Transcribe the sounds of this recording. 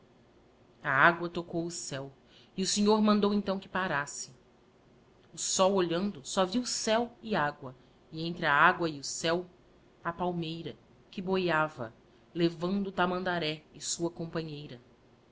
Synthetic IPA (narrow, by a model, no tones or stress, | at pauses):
ɐaɡwɐt̪okowʊsɛw | ɪʊsẽɲoɾmɐ̃nd̪owẽnt̪ɐ̃w̃kɪ̥paɾasɪ̥ | ʊsɔwoʎɐ̃nd̪ʊsɔviwʊsɛwɪaɡwɐ | ɪẽnt̪ɾɪɐaɡwɐɪʊsɛw | ɐpawmejɾɐ | kɪbojavɐ̰ | levɐ̃nd̪ʊt̪amɐ̃nd̪aɾɛɪsuɐkõpɐ̃ɲejɾɐ